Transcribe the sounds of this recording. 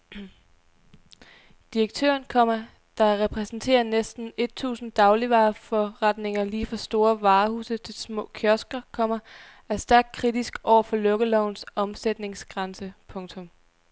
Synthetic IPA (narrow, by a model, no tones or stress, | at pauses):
d̥iʁɐɡ̥̚t͡sʰø̰ːɐnkʰɒm̰ɐ | d̥ɑ̈ʁɛpʰʁɛsn̩t͡sʰe̝̰ːɐnesd̥n̩e̝d̥̚t͡sʰṵːsn̩d̥ɑ̈ʊliʋɑ̈ːfɒʁɑd̥ne̝ŋɐliːfɒ̽sd̥o̝ːɐʋɑ̈ːhṵːsət͡sʰe̝lsmɔ̰̽ːkʰjøɐsɡ̥ɐkʰɒ̽m̰ɐ | æsd̥æɐɡ̥̚kʰʁid̥isɡ̥ɒʊ̰ɐfɒ̽lɔ̽ɡ̥əlɒʊ̰nsɒ̽msed̥ne̝ŋsɡ̥ʁɑnsəpʰɔ̽ŋt͡sʰɔ̽m